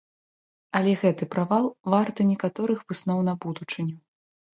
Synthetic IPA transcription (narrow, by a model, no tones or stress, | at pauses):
ɐlʲɛɣɛt̪ɨpɾavalˠvart̪ɨnʲɛkat̪ɔɾɨxvɨsnɔwnɐbud̪ut͡ʂɨnʲɛ